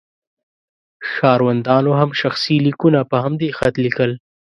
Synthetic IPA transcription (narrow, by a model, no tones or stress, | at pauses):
ʃɑɾwand̪ɑnoɦamʃaxsilikunapəɦamd̪exat̪likəl